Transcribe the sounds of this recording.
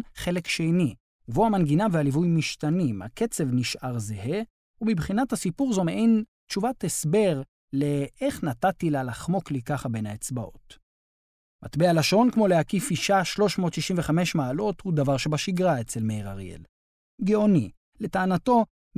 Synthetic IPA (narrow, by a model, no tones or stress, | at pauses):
χe̞le̞kʃejni | ɡvoamanɡinavealivujmiʃtanimha̰ke̞t͡se̞vniʃʔaʁzehe | umibχinathasipuʁzo̞meʔen | tt͡ʃuvatesbe̞ʁ | le̞eχnatatilalaχmo̞klikaχabe̞naet͡sbaʔo̞̰t | mat̪bealaʃo̞nkmo̞leakifiʃaʃlo̞ʃmo̞ːtʃiʃimveχameʃmaːlo̞thud̪avaʁʃe̞baʃiɡʁaet͡selmejʁa̰ʁ̰ḛl | ɡeo̞ni | le̞taːnato̞